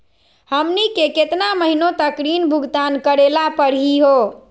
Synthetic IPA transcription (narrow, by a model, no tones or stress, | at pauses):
həmnikeket̪naməɦinot̪əkɾinbʱuɡt̪ankəɾelapəɾɦiɦo